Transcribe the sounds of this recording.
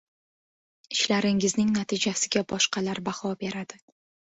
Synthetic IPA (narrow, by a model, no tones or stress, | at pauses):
ɪʃlaɾɪŋɪznɪŋnat̪ʰɪd͡ʒasɪɡʲabɒʃqɑlaɾbahɒbe̞ɾad̪ɪ